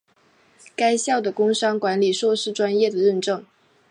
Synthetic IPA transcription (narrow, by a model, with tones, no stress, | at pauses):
ka˥ɪɕjɑ˥˩ʊd̪ə˩kʊ˥ŋʂɑ˥ŋkwa˧˥nli˨˩ʂwɔ˥˧ʂɻ̩˥˩ʈ͡ʂwa˥njɛ˥˩d̪ə˩ɻə˥˧nʈ͡ʂɤ˥˩ŋ